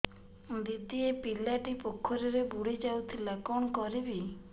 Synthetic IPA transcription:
d̪it̪iepilaʈipokʰːɔɾiɾebuɽid͡ʒawt̪ʰilakɔnɔkɔɾibi

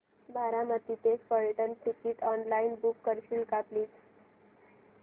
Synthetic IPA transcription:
bʱaɾamət̪it̪esfəɭʈənʈikiʈɔnlainbukːəɾɕiːlkapliːt̪

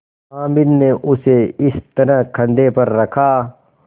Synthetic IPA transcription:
ãːmɪnneʔʊseɪst̪ɐɾəɦkʰɐ̃nd̪epɐɾːɐkʰaː

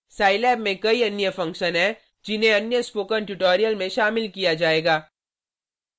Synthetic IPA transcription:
saːɪlɛːbmẽkɐiɐnjəfɐ̃ŋkʃənɦɛ | d͡ʒɪnɦẽɐnjəɪspoːkənʈʊʈoːɾijəlmẽʃaːmɪlkijad͡ʒaːeːɡaː

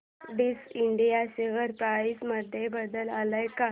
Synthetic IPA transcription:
ɖisiɳɖijaɕeʋəɾpɾajsməd̪ʱːjebəd̪əlaləjka

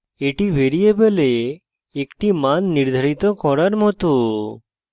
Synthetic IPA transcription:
eʈibʱeɾijebeleː | kʈimanːiɾd̪ʱaɾit̪ɔkɔɾaɾmɔt̪o

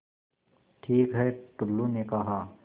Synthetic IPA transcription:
ʈʰiːkɦɛʈʊlːunekɐɦaː

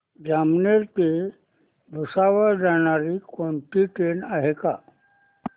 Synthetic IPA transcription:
d͡ʑamneɾt̪e | b̪ʱusaʋəɭd͡zaɽ̃aɾikɔɳʈiʈenaɦeka̰

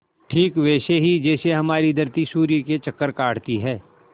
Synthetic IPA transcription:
ʈʰiːkʋɛːseɦid͡ʒɛːseɦɐmaːɾid̪ʱɐɾt̪isuːɾiket͡ʃɐkːəɾkaːɽ̤t̪iɦɛː

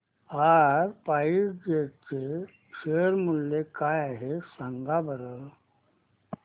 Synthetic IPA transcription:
aɾpaisd͡ʑeɾt͡se | ʂeɾmulːekajaɦesəŋɡabʱəɾə

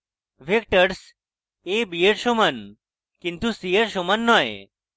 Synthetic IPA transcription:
ʋek̚ʈəɾs | ebijeɾʃomɐn | kint̪usijəɾʃomənːɔjḛ

